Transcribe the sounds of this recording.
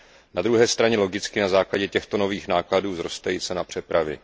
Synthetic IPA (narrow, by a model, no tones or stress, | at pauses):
nad̪ɾuɦɛːst̪ɾaɲɛlo̞ɡɪt͡skɪnazaːklaɟɛcɛxt̪o̞no̞viːxnaːkladuːzɾo̞st̪ajit͡sɛnapr̝̥ɛpɾavɪ̰